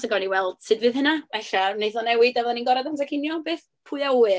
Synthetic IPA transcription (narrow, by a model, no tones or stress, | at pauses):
səɡɔniwɛlˠd̥sɨdvɨðhənavɛɬanejθɔnɛwɨdɛvɛðˠaninɡɔɾɛdantʰakʰɪnjɔbeːθ | pʰʊɨauɨ